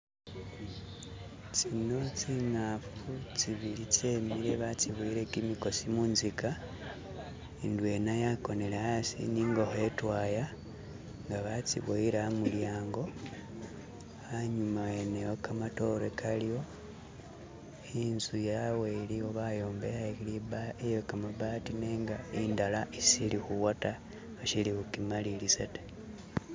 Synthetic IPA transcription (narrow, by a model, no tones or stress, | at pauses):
t͡sino̞t͡siŋafut͡siβilit͡se̞miɾe̞βat͡siβuiɾekimiko̞simuːnzika | indwe̞najako̞ne̞leasḭniŋɡo̞hoetwaːja | ŋɡaβat͡sḭβuiɾamuljaːŋɡo̞ | aɲumaenejokamato̞ɾekʰalijo̞ | inzujawelioβajo̞ːmbeɾaekiiβaejokamaβaːtine̞ːŋɡaindalaisilixuwata | aʃilixukimalilisate̥